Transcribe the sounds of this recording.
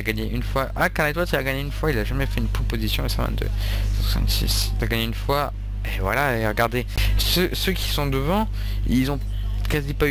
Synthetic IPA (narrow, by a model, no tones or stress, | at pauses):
aɡaɲeʔynfwaʔakanad̪wat̪ilaɡaɲeynfwailaʒamɛfɛynpχɔpozisjɔ̃əsɑ̃vɛ̰nd̪ø̰sãswasɑ̰̃nsḭst̪aɡaɲeynfwa | evwa̰laeʁəɡaʁd̪esøsøkʲi̥sɔ̃d̪əvɑ̃ | ilzɔ̃ | kazipa